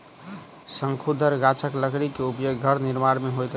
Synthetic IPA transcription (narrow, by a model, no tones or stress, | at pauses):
səŋkʰud̪ʱəɾɡat͡ʃʰəkləɡɾikeupjoɡɡʱəɾniɾmaɾmeɦojt̪